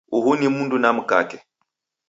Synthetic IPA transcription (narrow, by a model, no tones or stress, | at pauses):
uɦunimundunamuka̰kɛ